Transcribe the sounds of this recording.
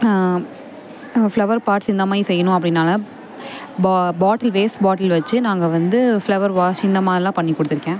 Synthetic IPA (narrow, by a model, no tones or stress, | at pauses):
flɐʋɐɾpaːɾʈsɪnd̪ɐmaːisɛjːɐnʊ̃ɐpːɐɽɪnːaːlɐ | bbaːʈɐlʋeːsbaːʈɐlʋɐt͡ʃːɯnaːŋɡɐʋɐnd̪ɯflɐʋɐɾʋaːsɪnd̪ɐmaːðɾɪlãːpɐɳːikːɔɽɯt̪ːɪɾɯkːẽː